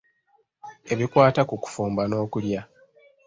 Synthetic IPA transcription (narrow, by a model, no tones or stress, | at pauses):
e̞βikwaːtakuku̥fuːmbano̞ːkulja